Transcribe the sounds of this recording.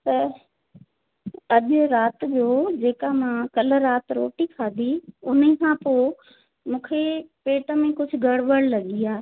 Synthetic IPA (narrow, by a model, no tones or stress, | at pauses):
t̪ɐ | ɐʄɾaːt̪d͡ʒoːd͡ʒeːkamãːkələɾːaːt̪ɾo̰ːʈikʰaːd̪iʊnẽkʰãːpoː | mũːkʰepeːʈəmẽkʊd͡ʒʰʱɡʱəɽʋəɽlɐɠijaː